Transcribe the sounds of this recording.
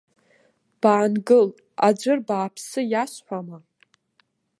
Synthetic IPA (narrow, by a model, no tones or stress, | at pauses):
b̥aːnɡɨl | ad͡ʒʷɨrbaːpʰsɨjasħʷama